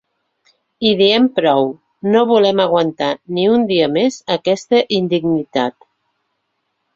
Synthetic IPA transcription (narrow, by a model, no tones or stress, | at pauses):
iðiɛmpɾɔw | noβulɛməɣ̞wənt̪aniund̪iəmezəkɛst̪əʔind̪iɡnit̪at̪